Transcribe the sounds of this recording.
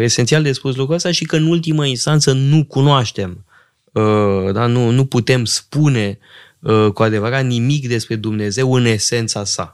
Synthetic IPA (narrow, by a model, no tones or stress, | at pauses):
e̞se̞nt̪siald̪e̞spus̬lukɾuəst̪aʃikəɨnult̪iməinst̪ant̪sənukunoaʃt̪e̞m | əd̪anunuput̪e̞mspune̞ | əkuad̪e̞vəɾat̪nimikd̪e̞spɾe̞d̪umne̞ze̞wɨne̞se̞nt̪sasa̰